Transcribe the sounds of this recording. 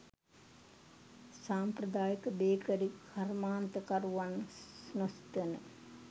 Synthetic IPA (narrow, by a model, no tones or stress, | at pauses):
saːmprɐd̪aːjəkəbeːkəɾikʰarmaːnt̪əkaɾuʋannost̪ənə̰